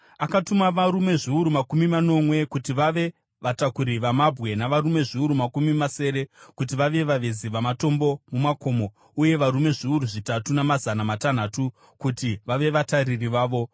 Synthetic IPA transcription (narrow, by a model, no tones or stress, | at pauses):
akatumaʋaɾume̞ʐiuɾumakumimano̞mwe̞kutiʋaʋe̞ | ʋatakuɾiʋamabʱɣe̞naʋarume̞ʐiuɾumakumimase̞ːɾe̞kut̬iʋaʋe̞ʋaʋeziʋamato̞mbo̞mumako̞ːmo̞ | uje̞ʋaɾume̞ʐiuɾuʐitatunamazanamatan̤aːtu | kutiʋaʋe̞ʋataririʋaːʋo̞